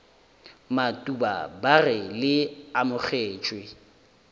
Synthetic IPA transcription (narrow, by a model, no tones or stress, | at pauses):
matʼuba̰barɪlɪamʊk͡xeːt͡ʃʼwɪ